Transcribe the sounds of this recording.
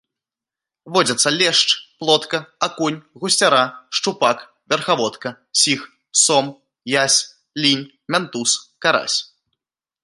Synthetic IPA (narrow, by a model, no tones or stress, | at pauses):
vɔd͡zʲɐt̪sːɐlʲɛʂt͡ʂplˠɔt̪kɐakunʲɣusʲt͡sʲaɾaʂt͡ʂupak | vʲɛrxavɔt̪kɐ | sʲix | sɔm | jasʲ | lʲinʲ | mʲant̪uskaɾa̰sʲ